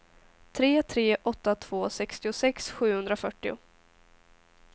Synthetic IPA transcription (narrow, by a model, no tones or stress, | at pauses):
t̪ʰɾeːt̪ʰɾeːʔɔt̪ːat̪ʰv̥oːsɛkst̪ɪʊsɛksɧʉ̟ːhɵnd̪ɾafœʈːɪʊ̰